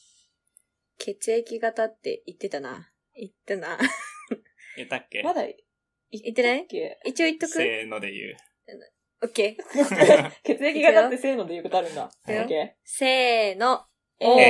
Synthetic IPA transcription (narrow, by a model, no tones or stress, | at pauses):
kʰe̞t͡sɨekʲiɡat̪at̪ːe̞̰it̪ːe̞t̪ana̰ | it̪ːana | et̪ːakːemad̪a | it̪ːenaikit͡ɕio̞it̪ːokɯenod̪ḛjɯ̰ː | n | okːeː | ket͡sɨekiɡat̪aːese̞ːno̞d̪e̞iɯko̞t̪oaɾɯ̟̃nd̪a̰ | eoke | se̞ːno